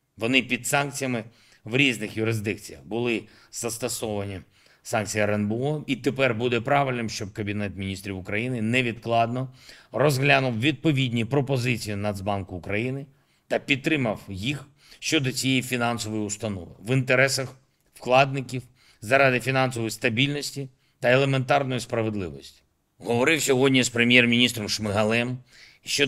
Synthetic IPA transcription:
ʋɔnɪpʲid̪sɑnk̚t͡sʲijɐmɪ | ʋɾʲiznɪxjʊɾɪzd̪ɪk̚t͡sʲijɐ̰xbʊlˠɪ | z̥ɐst̪ɐsɔʋɐnʲi | sɑnk̚t͡sʲijiɾɛnbɔit̪epɛrbud̪ɛpɾɑʋɪlʲnɪmʃt͡ʃɔb̚kɐbʲinɛt̪mʲinʲist̪ɾʲiwʊkɾɐjinɪnɛʋʲid̪klˠɑd̪nɔrɔzɦlʲanʊwʋʲid̪̚pɔʋʲidʲnʲipɾɔpɔzɪt͡sʲijinɐd̪zbɑnkʊːkɾɐjinɪ | t̪ɐpʲidt̪ːɾɪmɐwjix | ʃt͡ʃɔd̪ɔt͡sʲijejifʲinɑnsɔʋɔjiʊst̪ɐnɔʋɪ̰ʋɪnt̪eɾɛsɐx | fklˠɑd̪̚nɪkʲiw | zɐɾɑd̪ɪfʲinɑnsɔʋɔjist̪ɐbʲilʲnɔsʲtʲi | t̪ɐelˠement̪ɑrnɔjispɾɐʋed̪lˠɪʋɔsʲtʲi̥ | ɦɔʋɔɾɪwsʲɔɦɔdʲnʲispɾemʲjɛrmʲinʲist̪ɾɔmʃmɪɦɐlˠɛm | ʃt͡ʃɔ

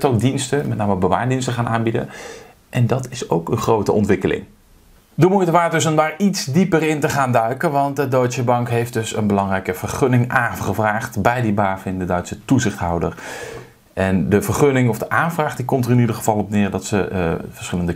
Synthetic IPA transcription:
towk̚dinstəmɛtnaːməəbəʋa̰ːɹdinstəχaːnaːnbidə̰ | ʔɛndɑtɪso̰wkənχrowtəʔɔ̰ntʋɪkəlɪ̰ŋ | dəmujtəʋaːt̚dɵsɔndaːɹitsdipərɪntəχaːndœɥkəʋɑnt̚dədojtsəbɑŋkɦejfd̚dɵsə̰nbəlɑŋrɛjkəv̥ərχønɪŋʔaːχəvraːχtbɛjdibaːfɪndədœɥtsətuzɪχtɦɔwdər | ʔɛndəvərχønɪŋɔfdəʔaːnvraːχdikɔmtərɪnidərχəv̥ɑlˠɔpnɪːɹdɑtsəvəɹsχɪləndə

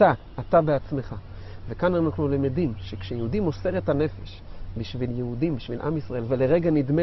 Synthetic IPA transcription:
ta | at̪abeat͡sme̞χa | vekananaχnulomedimʃekʃejeud̪imose̞ʁe̞t̪ane̞fe̞ʃbiʃviljehudimbiʃvilʔa̰misʁae̞lvele̞ʁeɡanid̪me

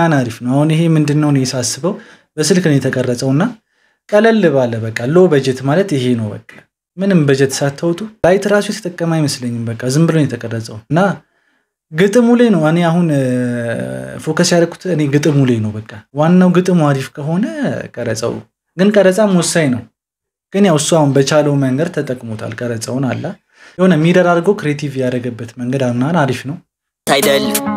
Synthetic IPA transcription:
anaɾifnəwahunɪɦe̞mɨnd̪ɨnːəwnjɛsasːɨβəw | bəsɨlknəjɛt̪ʰəkʼərːəsʼəwɨnːa | kʼələlːɨβalːəbəkʼːalobəd͡ʒɛt̪malət̪ɪɦe̞nəwbəkʼːḁ | mɨnɨmbəd͡ʒɛt̪sat̪ʰːəwt̪ʼulajt̪ʰɨɾasujɛt̪ʰə̥t̪ʼəkʼːəmajɪməsləɲːɪmbəkʼːazɨmbɨlonjɛt̪ʰəkʼərːəsʼəwɨnːa | ɡɨt̪ʼɨmulenəwɨne̞aɦun | fo̞kʰəsjaɾəkʰːu̥t̪ɨne̞ɡɨt̪ʼɨmulejnəwbəkʼːawanːawɡɨt̪ʼɨmuaɾifkʰəɦo̞nəkʼəɾət͡sʼə̰w̰ | ɡɨnkʼəɾət͡sʼamwɔsːajnəw | ɡ̥ɨnjawɨsːuahunbət͡ʃaləwməŋɡəd̪̚t̪ʰət̪ʼəkʼmo̞t̪ʰa̰lkʼəɾət͡sʼəwnalːa | jɛhonəmːid̪əɾaɾɡəwkʰɾijet̪ʰivjaɾəɡəbːət̪məŋɡəd̪amnanaɾifnəw | ajd̪əlː

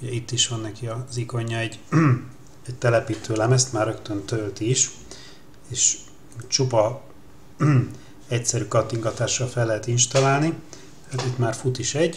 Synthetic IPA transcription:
uɟɛit̪ːiʃʋɒnːɛkiɒziko̞ɲːɒɛɟː | ɛc̚t̪ɛlɛpiːt̪øːlɛmɛst̪maːrɾøkt̪ønt̪ølt̪iiʃ | eːʃ | t͡ʃupɒ | ɛcsɛɾyːkɒt̪ːiŋɡɒt̪aːʃːɒlfɛlːɛɦɛt̪inʃt̪ɒlaːlni | haːt̪it̪maːrfut̪iʃɛɟ

